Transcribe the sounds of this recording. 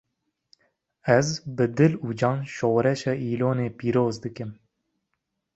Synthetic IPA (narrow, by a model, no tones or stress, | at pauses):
ɛzbɨd̪ɨluːd͡ʒɑːnʃoːɾɛʃɑːʔiːloːneːpiːɾoːzd̪ɨkɨm